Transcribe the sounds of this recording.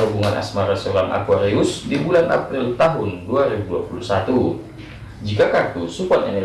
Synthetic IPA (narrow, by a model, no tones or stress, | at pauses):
ubuŋanʔa̰smaɾɛst̪oɾamʔa̰kuaɾeusdibulanʔa̰pɾɪlt̪aɦʊnduaɾibuduapulusat̪u | d͡ʒikakart̪usupɔt̪ɛ̰nɛ